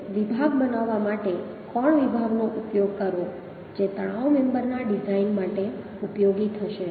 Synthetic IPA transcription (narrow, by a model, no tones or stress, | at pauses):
ʋibʱaɡbənaʋːamaʈe | kɔɳʋibʱaɡnoʔupjoɡ̚kəɾʋo | d͡ʒet̪əɽ̃aomɛmbəɾnaɖid͡ʒainmaʈe | upjoɡit̪ʰəʃe